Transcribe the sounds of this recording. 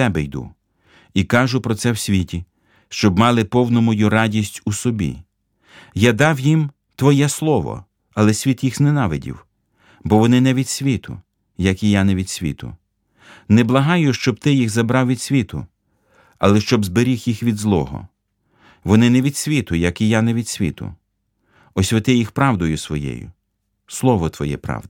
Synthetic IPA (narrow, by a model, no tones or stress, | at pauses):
ɛbɛjd̪ṵ | ikɑʒʊpɾɔsɛwsʲʋʲitʲi | ʃt͡ʃɔbmɑlˠɪpɔwnɔmɔjurɑdʲisʲtʲusɔbʲḭ | jad̪ɑwjim | t̪ʋɔjɛslˠɔʋɔ̰ | ɐlˠɛsʲʋʲit̪jixznenɑʋɪdʲḭw | bɔʋɔnɪnɛʋʲid̪̥sʲʋʲit̪ʊ̰ | jɐkijanɛʋʲid̪̥sʲʋʲḭt̪ʊ̰ | nɛblˠɐɦɑjʊʃt͡ʃɔb̚t̪ɪjixzɐbɾɑwʋʲid̪sʲʋʲit̪ʊ̰ | ɐ̰lˠɛʃt͡ʃɔbzbeɾʲixjixʋʲid̪zlˠɔ̰ɦɔ̰ | ʋɔnɪnɛʋʲid̪sʲʋʲit̪ʊjɐkijanɛʋʲid̪sʲʋʲḭt̪ʊ̰ | ɔsʲʋʲɪt̪ɪjixpɾɑwd̪ɔjʊsʋɔjɛ̰jʊ̰ | slˠɔʋɔt̪ʋɔ̰jɛ̰pɾɑ̰wd̪ɪ